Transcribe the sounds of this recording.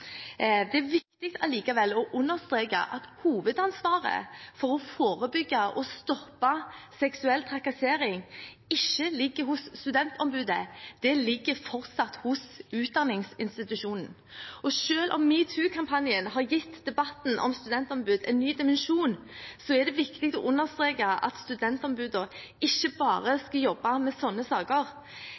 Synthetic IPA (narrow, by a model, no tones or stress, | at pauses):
d̪ɛæɾʋɪkt̪ɪk̚t̪ʰɑliːkɑʋɛlːɔʔʉnːəʁst̪ʁeːkə̰ʔɑt̪huːʋəd̪ɑnsʋɑːʁə̰fɔɾɔfoːʁəbʏɡːəʔɔst̪ɔpːɑsɛksʉɛlt̪ʰʁɑkɑseːɾɪŋ | ɪçːəlɪɡːəɾhʊsːt̪ʉd̪ɛnt̪ɔmbʉːd̪əd̪̥ɛlɪɡːəɾfɔɾt̪sɑt̪hʊsʉːt̪̚d̪ɑnːɪŋsɪnst̪ɪt̪ʉʃuːnn̩ | ʔɔʃøːlʔɔ̰mːiːt̪ʰʉːkʰɑmpʰɑnjənɦɑɾjɪt̪ːd̪ɛbɑt̪n̩ʔɔ̰mst̪ʉd̪ɛnt̪ɔmbʉːd̪ɛ̰ɪnːyːd̪ɪmɛnʃuːn | sɔɛd̪ɛʋɪkt̪ɪk̚t̪ɔʔʊnːəʁst̪ʁeːkɑɑ̰t̪st̪ʉd̪ɛnt̪ɔmbʉːd̪ə | ɪçːəbɑːʁəskɑjɔbːɑmɛsɔnːəsɑːkəɾ